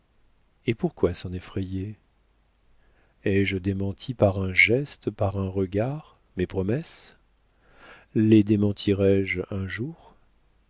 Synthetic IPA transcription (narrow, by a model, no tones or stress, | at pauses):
epuʁkwasɑ̃nefχeje | ɛʒd̪emɑ̃t̪ʰipaʁɛ̃ʒɛst̪paʁɛ̃ʁəɡaʁ | mepχɔmɛs | led̪emɑ̃t̪ʰiʁɛʒɛ̃ʒuːʁ